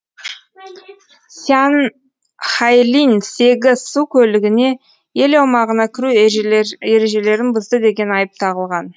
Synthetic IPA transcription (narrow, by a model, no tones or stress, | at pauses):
san | χɑjlinse̞ɡʲɪzsukʲʰɵlɪɡʲɪne̞ | je̞lɑwmɑʁənɑkʲʰɪɾu | e̞ɾe̞ʒe̞le̞ɾɪnbəzd̪əd̪e̞ɡʲe̞nɑjəp̚t̪ʰɑʁəlˠʁɑn